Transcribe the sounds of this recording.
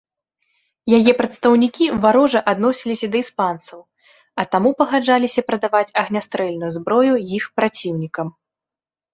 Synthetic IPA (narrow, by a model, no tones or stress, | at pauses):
jajɛpɾɐt̪st̪ɐwnʲikʲivaɾɔʐɐʔad̪nɔsʲilʲisʲɐd̪ɐispant̪sɐw | ɐt̪amupɐɣad͡ʐalʲisʲɐpɾɐd̪avat͡sʲɐɣnʲast̪ɾɛlʲnujuzbɾɔjujixpɾat͡sʲiwnʲikɐm